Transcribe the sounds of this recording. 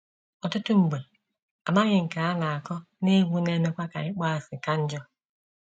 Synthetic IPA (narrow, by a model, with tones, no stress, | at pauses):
ɔ˨tʊ˦tʊ˦ŋ͡m̩˨ɡ͡be˨ | a˨ma˦ɣɪ˨ŋ̩˨ka˨a˦na˨a˨kɔ˦ | ne˦ɦu˦ne˦ne˦kʷa˦ka̰˨ɪ˦k͡pɔ˦a˨sɪ˨ka˦n̩˦d͡ʒɔ˦